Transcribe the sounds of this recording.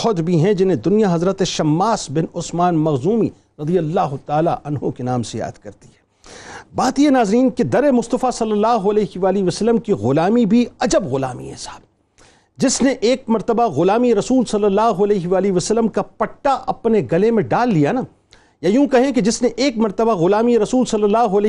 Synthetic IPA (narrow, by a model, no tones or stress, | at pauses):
ɦɔt̪bʱiɦɛ̃d͡ʒɪnẽd̪ʊnijaɦɐzɾət̪eʃɐmːaːsbɪnʊsmaːnmɐɣzuːmi | ɾɐd̪ijɐlːaːɦʊt̪aːla̰ʔɐnɦõkenaːmseja̰ːd̪̥kɐɾt̪i̥ɦɛ̥ː | baːt̪ienaːzɾiːnked̪ɐɾemʊst̪əfasɐlːəlːaːɦʊɐlɛːɦiʋaːliʋɐsəlːəmkiɣʊlaːmibʱiɐd͡ʒəbɣʊla̰ːmḭḛsaːb̚ | d͡ʒɪsneʔeːk̚mɐɾt̪əbaɣʊlaːmieɾɐsuːlsɐlːəlːaːɦʊɐlɛːɦʋaːliʋɐsəlːəmkapɐʈːaʔɐpneɡɐlemẽɖaːlːijana | jajũːkɐɦẽked͡ʒɪsneʔeːkmɐɾt̪əbaɣʊlaːmieɾɐsuːlsɐlːəlːaːɦʊɐlː